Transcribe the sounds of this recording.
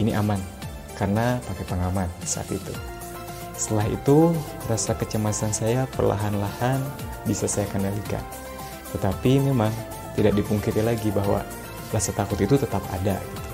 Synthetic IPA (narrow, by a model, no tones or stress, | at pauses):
iniʔaman | karənapakepəŋamandisaʔa̰t̪it̪ṵ | səəlaɦḭt̪u | rasakət͡ʃəmasansajapə̰rla̰ɦanlahan | bisasajakəndalika̰n | t̪ət̪apimemaŋ | t̪idak̚dipuŋkit̪ilaɡibaɦwa̰ | lasat̪akʊt̪it̪ut̪ət̪apa̰da̰ɡit̪u̥